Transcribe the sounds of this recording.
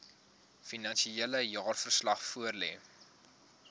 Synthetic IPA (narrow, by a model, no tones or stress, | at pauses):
finɐnʃieləjɑːrfərslɐχfuərlɛ̰ː